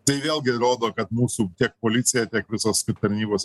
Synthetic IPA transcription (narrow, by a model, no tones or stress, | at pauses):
t̪ɐɪʋʲeːlʲˠɡʲɪɾoːd̪oːkɐt̪muːsuːt̪ʲiɛk̚poːlʲɪt̪sʲɪjɛt̪ʲiɛkʋʲɪsoːskɪt̪ɐɾʲnʲiːboːs